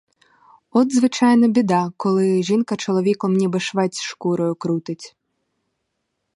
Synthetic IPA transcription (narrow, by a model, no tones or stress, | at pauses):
ɔd̪zʋɨt͡ʃajnɐbʲid̪akɔlˠɪʒinkɐt͡ʃɔlˠɔʋʲikɔmnʲibɨʃʋɛt͡sʲʃkuɾɔjʊkɾut̪ɪt͡sʲ